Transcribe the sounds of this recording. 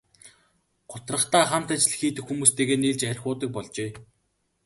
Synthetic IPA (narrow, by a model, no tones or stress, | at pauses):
ɢʊt̪rə̆χt̪aːχam̥t̪æt͡ɕɮɘ̆xiːt̪ɘ̆xːumuːst̪ʰeːɣeːniɮt͡ɕærʲxʊːt̪ə̆k̚pɔɮt͡ɕeː